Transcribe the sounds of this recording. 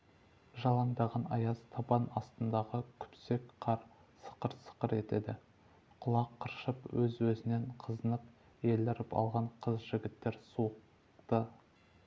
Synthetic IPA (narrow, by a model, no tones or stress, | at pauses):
ʒɑlˠɑnd̪ɑʁɑnɑjɑzt̪ʰɑpɑnɑst̪ənd̪ɑʁəkʲʰʏ̥pse̞kqʰɑɾ | sə̥qəɾsə̥qəɾe̞t̪e̞̰d̪ɪ | qʰʊlˠɑqʰːəɾʃəpwɵzwɵzɪne̞ɴqʰəzənəp | je̞lɪɾɪpɑ̰lˠʁɑɴqʰəzʒɪɡʲɪt̪ːe̞ɾsuq̚ | t̪ə